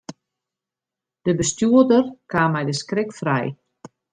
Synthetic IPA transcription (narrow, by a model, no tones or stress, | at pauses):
d̥əbəstjuədərkaːmɛjdəskrɪkfrɛ̰j